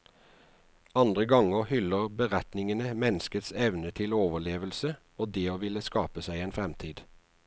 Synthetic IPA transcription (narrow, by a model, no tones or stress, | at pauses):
ɑnd̪ʁəɡɑŋəʁhʏləʁbəʁɛt̪nɪŋənəmɛnəskət̪sɛʋnət̪ʰɪloːʋəleːʋəlsə | oːd̪eːoːʋɪləskɑːpəsæɪeːnfʁɛmt̪ʰiːd̪̥